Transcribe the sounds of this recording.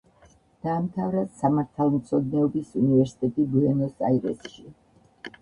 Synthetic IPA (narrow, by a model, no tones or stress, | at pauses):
d̪̥aːmt̪ʰavɾad̪samaɾt̪ʰalˠmt̪sʰɔd̪nɛɔbisunivɛɾsi̥t̪ʼɛt̪ʼibuɛnɔsa̰iɾɛ̰sʃi